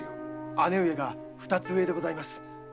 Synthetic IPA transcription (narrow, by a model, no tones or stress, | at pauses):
ane̞ɯ̟e̞ɡa | ɸɯ̟̥t̪at͡sɨɯe̞d̪e̞ɡo̞zaimasɨ̥